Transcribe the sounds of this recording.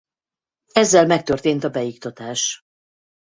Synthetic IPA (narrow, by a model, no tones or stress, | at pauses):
ɛzːɛlmɛk̚t̪ørt̪eːnt̪ɒbɛjikt̪ɒt̪aːʃ